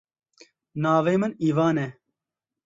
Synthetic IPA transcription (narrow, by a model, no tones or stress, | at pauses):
naːveːməniːʋaːnɛ